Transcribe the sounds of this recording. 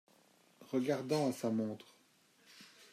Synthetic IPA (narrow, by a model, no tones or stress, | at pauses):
ʁəɡaʁd̪ɑ̃asamɔ̃t̪χ